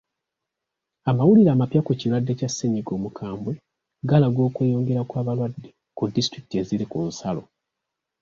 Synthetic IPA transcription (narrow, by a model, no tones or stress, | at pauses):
amawuliɾaːmapjakucilwadːe̞casːeɲiɡo̞ːmukʰaːmbwe̞ | ɡalaɡo̞ːkwe̞ːjo̞ːŋɡe̞ɾakwaːβalwadːe̞ | kudːistɾiki̥tie̞ziɾikunsalo̞̰